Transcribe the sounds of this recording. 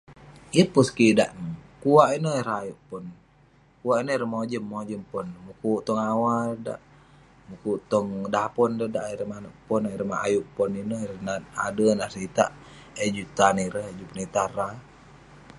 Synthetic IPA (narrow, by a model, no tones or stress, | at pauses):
jəpuskida̰ʔnəkuwaʔinoiɾajuʔpɔn | kuaʔinoiɾəhmod͡ʒəmːod͡ʒəmpɔnmukuʔt̪ɔŋawalda̰ʔ | mukut̪ɔŋdapɔndədaʔiɾəmanəʔpɔnaiɾəmaʔa̰juʔpɔninoɾənaa̰dənasit̪a̰ʔ | ed͡ʒut̪aniɾəɦd͡ʒupɔnit̪aɾa